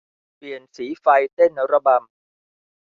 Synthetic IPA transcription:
pli˨˩ənsiː˩˦fa˧jt̪e˥˩nːa˨˩˦wɾa˧ba˧m

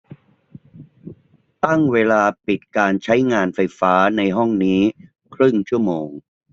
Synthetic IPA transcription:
t̪a˥˩ŋweː˧laː˧pi˨˩t̪̚kaː˧nt͡ɕʰa˦˥jŋaː˧nfa˧jfaː˦˥na˧jɦɔ˥˩ŋniː˦˥ | kʰɾɯ˥˩ŋt͡ɕʰu˥˩əmoː˧ŋ

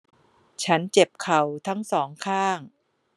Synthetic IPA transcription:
t͡ɕʰa˦˥nt͡ɕe˨˩p̚kʰa˨˩wt̪ʰa˦˥ŋsɔː˩˦ŋkʰaː˥˩ŋ

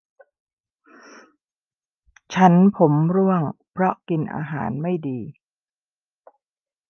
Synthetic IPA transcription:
t͡ɕʰa˦˥npʰo˩˦mɾu˥˩əŋpʰɾɔ˦˥ki˧nʔa̰ː˧ɦa̰ː˩˦nma˥˩jdiː˧

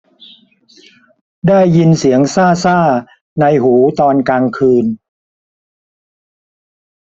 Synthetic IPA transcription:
daː˥˩jːi˧nsi˩˦əŋsaː˥˩saː˥˩ | na˧jhuː˩˦t̪ɔː˧nkaː˧ŋkʰɯː˧n

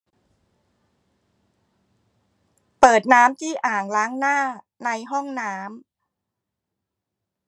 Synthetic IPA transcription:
pɤː˨˩t̪̚naː˦˥mt̪ʰiː˥˩ʔaː˨˩ŋlaː˦˥ŋnaː˥˩ | na˧jɦɔ˥˩ŋnaː˦˥m

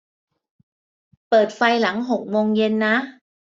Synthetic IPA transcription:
pəː˨˩t̚fa˧jla˧˩˥ŋɦo˨˩k̚mo˧ŋje˧nːa˨˦˥

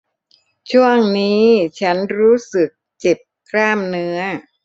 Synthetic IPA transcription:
t͡ɕʰu˥˩əŋniː˦˥t͡ɕʰa˦˥nɾuː˦˥sɯ˨˩k̚t͡ɕe˨˩p̚kʰlaː˥˩mnɯ˦˥ɐ

